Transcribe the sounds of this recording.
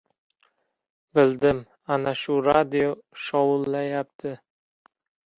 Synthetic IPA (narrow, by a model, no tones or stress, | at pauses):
bɪld̪ɪm | anaʃʊɾad̪ioʃɒwʊlːajap̚t̪ʰɪ